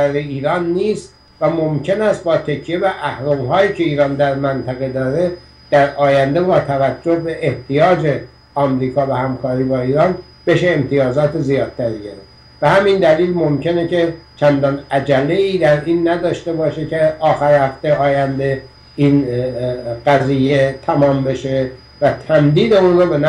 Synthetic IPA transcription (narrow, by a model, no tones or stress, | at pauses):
æɾeiːɾɒːnːiːst̪ | væmomcʰe̞næst̪̚bɒːt̪ʰe̞cʰijevæʔæhɾomɦɒːjiːcʰe̞iːɾɒːnd̪æɾmænt̪ʰæɣe̞d̪ɒːɾe̞ | d̪̥æɾɒːjænd̪ebɒːt̪ʰævæd͡ʒːohbe̞ʔeht̪ijɒːd͡ʒe | ɒːmɾiːkʰɒːvæhæmkʰɒːɾiːbɒːiːɾɒːn | b̥e̞ʃeːmt̪ʰijɒːzɒːt̪ezijɒːd̪̥̚t̪ʰæɾiɟeɾef | b̥ehæmind̪æliːlmo̞mce̞ne̞cʰet͡ʃʰænd̪ɒːnæd͡ʒælːe̞iːd̪æɾiːnːæd̪ɒːʃt̪e̞bɒːʃecʰeɒːxæɾhæft̪eɒːjænd̪e̞ | in | ɢæziːjet̪ʰæmɒːmbe̞ʃe | væt̪ʰæmd̪iːd̪euːnroben